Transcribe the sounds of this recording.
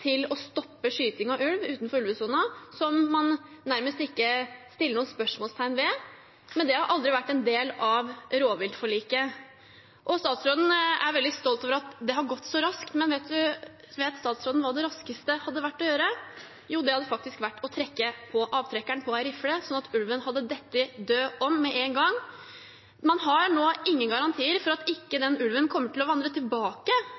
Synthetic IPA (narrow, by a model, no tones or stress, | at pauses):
t̪ʰɪlɔst̪ɔpːəʂyːt̪ɪŋɑʉlʋʉːt̪nfɔɾʉlʋəsunɑsɔmːɑnːæɾməst̪ɪkːəst̪ɪlːəɳuːənspœʂmoɔːlst̪ʰæɪnʋɛ | mɛnd̪ɛhɑɾʔɑld̪ɾɪʋæʈːɛnd̪eːlɑʋɾoːʋɪlt̪fɔɭiːkə | ʔɔst̪ɑːt̪sɾoːd̪n̩æ̰ɾʋɛld̪ɪst̪ɔlt̪oːʋəɾɑt̪d̪ɛɦɑɾɡɔt̪ːsɔɾɑskt̪mɛnʋeːt̪̚d̪ʉ | ʋeːt̪st̪ɑːt̪sɾoːd̪n̩ʋɑːd̪ɛɾɑskəst̪əhɑd̪ːəʋæʈːɔjøːɾə | juːd̪ɛhɑd̪ːəfɑk̚t̪ɪskʋæʈːɔt̪ʰɾɛkːəpʰɔʔɑːʋt̪ʰɾɛkːæɳpʰɔæɾɪfləsɔnːɑt̪ʉlʋənhɑd̪ːəd̪ɛt̪ːɪd̪øːɔmːɛʔeːŋɡɑŋ | mɑnɦɑɾɳoːɪŋːənɡɑɾɑnt̪ʰiːəɾfɔɾɑt̪ɪkːəd̪ɛnʉlʋənkʰɔmːəʈʰɪlɔʋɑnd̪ɾət̪ʰɪlbɑːkə